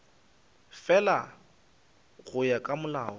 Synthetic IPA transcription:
fɛla | ɣʊjakʼamʊlaːɔ

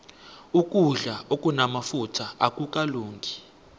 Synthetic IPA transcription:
ukʼuɮaokʼunamafutʰaakʼukʼaluːŋɡʱi

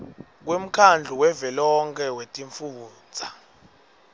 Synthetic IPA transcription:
k̬wem̩kʰand͡ɮʱuwɛvɛlɔŋkʰɛwetʼiɱfu̥ː | t͡sʰʼa

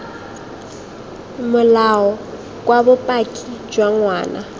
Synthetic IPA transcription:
mʊlaɔ | kʼwabʊpʼakʼid͡ʒwaŋwaːna

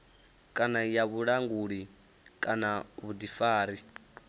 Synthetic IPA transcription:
kʼanajaβuɺaŋɡuɺi | kʼanaβudifaːɾi

